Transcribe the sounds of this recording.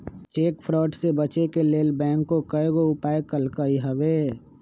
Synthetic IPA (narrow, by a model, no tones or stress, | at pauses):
t͡ʃeːkfʰɾɔːʈsebət͡ʃekeleːlbɛ̃ːŋkːokɐeɡoʊpaːekəlkəiɦɐʋeː